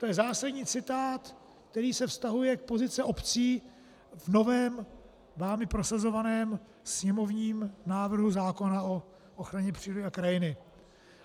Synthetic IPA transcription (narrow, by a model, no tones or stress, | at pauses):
t̪o̞jɛzaːsadɲiːt͡sɪt̪aːt̪ | k̚t̪ɛɾiːsɛfst̪aɦujɛk̚po̞zɪt͡sɪʔo̞pt͡siː | vno̞vɛːm | vaːmɪpɾo̞sazo̞vanɛːm | sɲɛmo̞vɲiːmnaːvr̩ɦuzaːko̞nao̞ | ʔoxɾaɲɛpr̝̥iːlɪakɾajɪnɪ